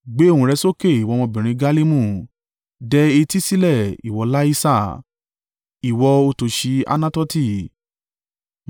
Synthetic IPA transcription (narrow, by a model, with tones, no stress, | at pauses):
ɡ͡be˨˦˨ũ˧ɾɛ˧˦so˦ke˦˨i˨wɔ˨˧mɔ̃˧bĩ˨ɾ̃ĩ˧ɡa˦li˦mũ˦˨ | dɛ˧e˧ti˦si˦lɛ˦˨ḭ˨wɔ˨˦la˦i˦sa˦˨ | i˨wɔ˧o˧to˧ʃi˧a̰˧nã˦tɔ˦ti˦˨